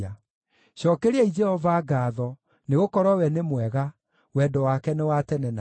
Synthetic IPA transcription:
a | ɕɔːkɛɾeɛid͡ʒɛhɔvaɡaːðɔ | neɣokɔɾɔwɛnemwɛɣa | wɛdɔwakɛnewatɛnɛna

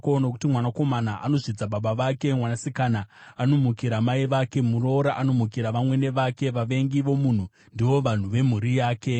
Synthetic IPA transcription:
konaku̥timwanako̞manaʔa̰no̞ʐid͡zaɓaɓaʋake̞mwanasikanaːno̞mukiɾamaiʋake̞muro̞ɾaʔano̞muk̬iɾaʋamwe̞ne̞ʋake̞ʋaʋe̞ŋɡiʋo̞mun̤u | ndiʋo̞ʋan̤uʋe̞m̤uɾijaːke̞

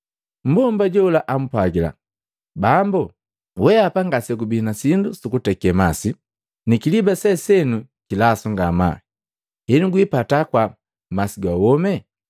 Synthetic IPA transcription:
m̩bɔmbaɟɔulaʔam̩pwaɡila̰ | bambu | wɛapaŋɡasɛkubinasindusukutɛkɛmasi | nikilibasɛsɛnu | kilasuŋɡama̰ | hɛnuɡwipatakwa | masiɡwawɔmɛ

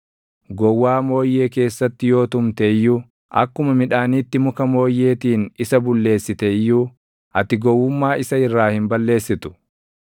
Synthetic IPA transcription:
ɡɔwːaːmo̞ːjːe̞ːke̞ːsːɐt̪ːɪjo̞ːt̪ʊmt̪ɛjːuː | ʔɐ̰kːʊmɐmɪᶑaːniːt̪ːɪmʊkɐmo̞ːjːe̞ːt̪iːnɪsɐbʊlːe̞ːsːɪt̪ɛjːuː | ʔɐt̪ɪɡɔwːʊmːaːʔɪsɐɪrːaːhɪmbɐlːe̞ːsːɪt̪ʊ̥

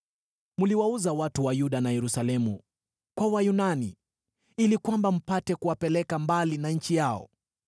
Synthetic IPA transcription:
muliwauzawatuwajuɗanajɛɾusalɛmu | kwawajunanḭ | ilikwambam̩patɛkuwapɛlɛkambalinaɲ̩t͡ʃijaɔ̰

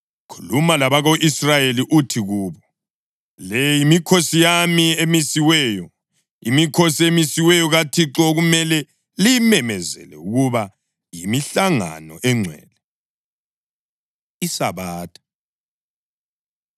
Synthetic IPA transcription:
kʰu̥lumalaβaɣoʔisrajeliʔutʰiɣuːβɔ | lɛjimikʰosijamiemisiwɛːjɔ | ḭmikʰosiemisiwɛjɔɣatʰiǁɔɣumɛlɛ | limɛmɛzɛ̰lɛ̰uɣuβa | jimiɬaŋa̰nɔ̰ʔɛŋ͡ǀʱwɛ̰ːlɛ | isaβaːtʰḁ

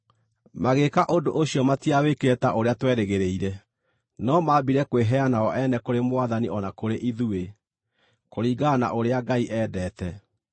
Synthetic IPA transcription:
maɣekaʔodoʔoɕjɔmatiawekeɛtaʔoɾeatwɛɾeɣeɾeiɾɛ | nɔmabiɾɛkweɦɛanaɔʔɛnɛkoɾemwaðaniʔɔnakoɾeʔiðue | koɾiːɡana̰ʔoɾeaɡaiʔɛːdɛːtɛ

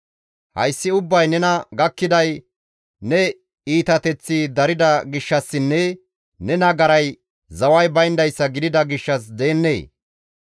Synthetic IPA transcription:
hɐ̰jsːɪʊbːɐjnɛnɐɡɐkːɪd̪ɐj | nɛ | iːt̪ɐt̪ɛt͡sːɪd̪ɐɾɪd̪ɐɡɪʃːɐsːɪnːɛ | nɛnɐɡɐɾɐj | zɐwɐjbɐjnd̪ɐjsːɐɡɪd̪ɪd̪ɐɡɪʃːɐs̬d̪eːnːḛː

